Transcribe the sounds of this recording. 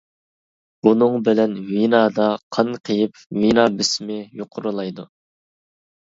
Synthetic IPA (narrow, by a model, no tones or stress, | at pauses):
b̥unɨŋbɪlɛnvinɑːd̪ɑqʰɑnqʰəjɪpvinɑːbɪsmɪjoqʰʊɾulˠɑjd̪u